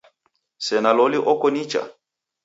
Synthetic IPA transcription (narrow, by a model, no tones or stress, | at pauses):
sɛnalɔliʔɔkɔnit͡ʃa̰